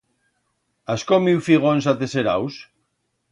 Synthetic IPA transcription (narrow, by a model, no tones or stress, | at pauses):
askomiwfiɣonsat̪eseɾa̰ws